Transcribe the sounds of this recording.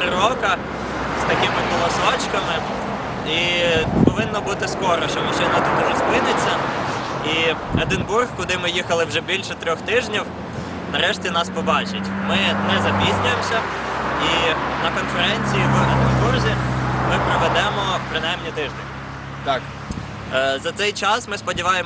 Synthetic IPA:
tɾɪɾɔkɐ | st̪ɐkɪmɪkɔlˠɐsɔt͡ʃkɐmɪ | ipɔʋɪnːɔbut̪ɪskɔɾɔʃt͡ʃɔmɐʃɪjnɐt̪ud̪ɪnɛzpɪnɪt͡sʲːɐ | iɐd̪ɪnburxkʊd̪ɪmɪjixɐlˠɪwʒɛbʲilʲʃɛt̪ɾʲɔxt̪ɪʒnʲiw | nɐɾɛʃtʲinɑspɔbɑt͡ʃɪtʲmɪnɛzɐbʲizʲnʲʊjemsʲɐ | inɐkɔnfeɾɛnʲt͡sʲijiʋɐd̪ɪmburzʲimɪpɾɔʋɛd̪ɛmɔpɾɪnɑjmnʲit̪ɪʒd̪enʲ | zɐt̪ɛjt͡ʃɑsmɪspɔdʲiʋɑjem

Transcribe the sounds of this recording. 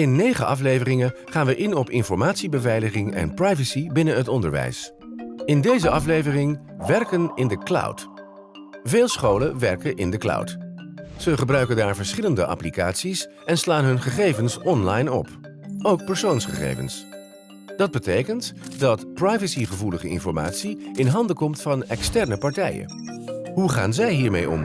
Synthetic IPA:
ɪnːejχəʔɑflejvərɪŋəχaːnʋəʔɪnɔpɪ̰nfɔɹmaːtsibəvɛjləχɪŋɛ̰nprɑjvəsibɪnəɦətɔndəɹʋɛ̰js | ɪndejzəɑflejvərɪŋ | ʋɛɹkənɪndəklʌ̰wt | veːlˠsχowləʋɛɹkəʔɪ̰ndəkla̰wtsəχəbrœɥkəndaːɹvəɹsχɪləndəʔɑ̰plika̰ːtsis | ɛnslaːnɦɵnχəχejvənsɔnlɑjnɔ̰p | owk̚pɛɹsownsχə̰χḛjvə̰ns | d̥ɑd̚bətejkəntdɑtprajvəsiχəvuləχəɪ̰nfɔɹma̰ːtsiɪnɦɑndəkɔmtfɑnɛkstɛɹnəpɑɹtɛjə̰ | ɦuχa̰ːnzɛjɦiːɹmḛjʔɔ̰m

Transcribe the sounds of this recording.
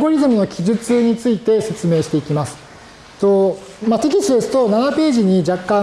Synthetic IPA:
ɡo̞ɾʲizɨmɯ̟no̞kʲiʑɨt͡sɨɲ̟it͡sɨit̪e̞se̞t͡sɨme̞ːɕi̥t̪e̞ikʲimasɨ̥ | t̪o | mat̪e̞k̬ʲisɨesɨ̥t̪onanape̞ːʑiɲ̟id͡ʑakːã

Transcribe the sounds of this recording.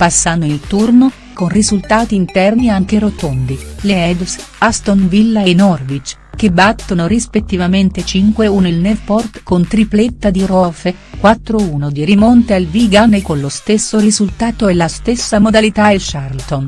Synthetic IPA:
pasːanoilt̪urno | konrizult̪aːt̪iːnt̪ɛrniaŋk̟eɾot̪ond̪ileɛd̪s | ast̪onvilːaenɔrvit͡ʃ | k̟ebːat̪ːonorispet̪ːivament̪et͡ʃiŋkweunelnɛfpɔrt̪kont̪ɾiplet̪ːad̪irɔfekwat̪ːɾouːnod̪iɾimont̪ealviɡanekonlost̪esːorizult̪aːt̪oɛlast̪esːamod̪alit̪aelʃarlt̪on

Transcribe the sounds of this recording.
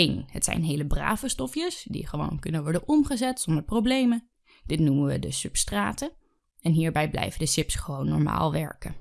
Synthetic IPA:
enɦətsɛ̰jnɦejləbra̰ːvəstɔfjəsdḭχəʋo̰wnkɵnənʋɔɹdənɔmχəzɛtsɔndəɹprowblejmə | d̥ɪtnumənʋədəsɵpstraːtə | ɛnɦiːɹbɛjblɛ̰jvəndəsɪpsχəʋownːɔ̰ɹma̰ːlˠʋɛ̰ɹkə̰

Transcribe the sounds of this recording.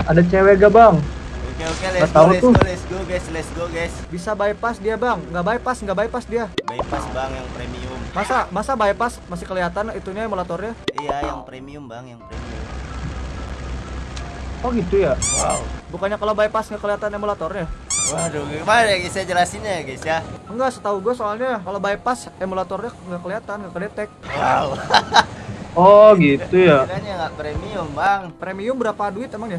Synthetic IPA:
adat͡ʃeweɡabaŋokeokelɛat̪aut̪ulɛsɡoɡaslɛsɡoɡasbisabaɛpasdiabaŋːɡabaɛpasŋɡabaɛpasdiabaipasbaŋjaŋpɾemiʊmmasamasabaɛpasmasɪhkəliat̪anit̪uɲamolat̪ɔrɲaijajaŋpɾemiʊmbaŋjaŋpɾemiʊ̰m | ɔɡit̪ujawa̰ubukanɲakalabaipasŋɡakəliat̪anemolat̪ɔrɲwahdoɡmajaɡisad͡ʒəlasiɲaɡisaŋɡaʔsət̪auɡuasoalɲakalobaipasemolat̪ɔrɲaŋɡakəliat̪anɡakədat̪ɛk̚wau | ɔɡit̪ujakaɲaŋɡapɾemiʊmbaŋpɾemiʊmbəɾapaduɪt̪emaŋɲa

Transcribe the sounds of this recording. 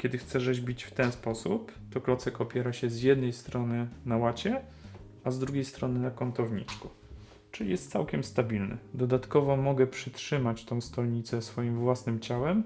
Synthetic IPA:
kʲjɛd̪ɘxt̪sɛʐɛʑbʲit͡ɕft̪ɛñspɔsupt̪ɔklɔt̪sɛkɔpʲjɛɾaɕɛzjɛd̪nɛjst̪ɾɔnɘnawat͡ɕɛ | azd̪ɾuɡʲejst̪ɾɔnɘnakɔnt̪ɔvɲḭt͡ʂku | t͡ʂɘlʲijɛst̪sawkʲɛmst̪abʲilnɘ̰d̪ɔd̪at̪kɔvɔmɔɡɛpʂɘtʂɘmat͡ɕt̪ɔ̃w̃st̪ɔlɲit̪sɛsfɔjimvwasnɘmt͡ɕawɛm

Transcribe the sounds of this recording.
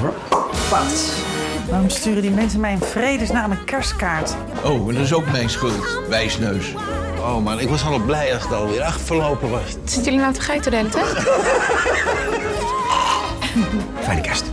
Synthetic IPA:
pasʋaːrɔmstyːrədimɛnsənmɛjənfrejdəsnaːmənkɛɹstkaːɹt | ʔowɛndɔtɪsowkmɛjnsχɵlˠt | ʋɛjsnøɥs | owmanɪkʋɑsaɔlblɛjɑsɪkɔlˠʋɪəɾɑxtfəɹlowpəʋɑs | sɪnjəlinatəχɛjtədelətɛ | fɛjdəkʰɛɹst

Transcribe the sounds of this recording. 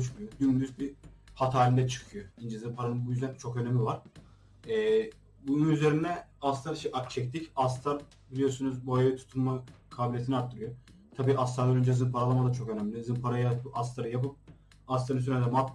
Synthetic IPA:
oɯt͡ʃmujoɟynd̪yzbihat̪ʰaːɾind̪ɛt͡ʃʰɯ̥kʰɯjoind͡ʒazɯnpʰaɾanɯnbujyzeɾnɛt͡ʃʰo̞kønɛmʲivaɾ̥ | ɛː | bununyze̞ɾinɛast̪ʰaɾʃɛʔat͡ʃʰɛct̪ʰicast̪ʰaɾ | bilʲijoɾsunuzbuajait̪ʰu̥t̪ʰunmakʰaːbilʲet̪ʰniaɾt̪ʰːɯɾɯjo | t̪ʰabiːʔast̪ʰaɾd̪anind͡ʒezɯnpʰaɾalˠamad̪at͡ʃʰo̞kø̞næmlʲizɯnpʰaɾajabuʔast̪ʰaɾɯjapɯp̚ | ast̪ʰaɾɯnsyɾɛnd̪ɛmat̪

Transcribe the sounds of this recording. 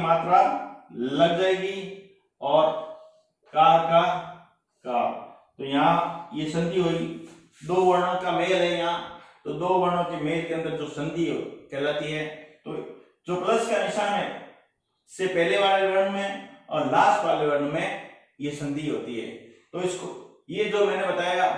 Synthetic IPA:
maːt̪ɾa | lɐɡd͡ʒaːeːɡi | ɔːɾ | kaːɾka | kaːmt̪oːjɐɦãjesɐ̃nd̪ʱiɦoːi | d̪oːʋəɾɽ̃õkameːlɦɛjɐãt̪oːd̪oːʋənõkemeːlkeə̃nd̪əɾd͡ʒoːsɐ̃nd̪ʱikelaːt̪iɦɛːt̪oː | d͡ʒoːpləskanɪʃaːnɦɛ̰ː | ɪsːepɛːleʋaːleʋɐɾɳmẽɔ̰ːɾlaːsʈʋaːleʋəɾnmẽ | jesɐ̃nd̪ʱiɦoːt̪iɦɛ̰ːt̪oːɪsko | jed͡ʒoːmɛ̃ːnebɐt̪aːjaɡaː

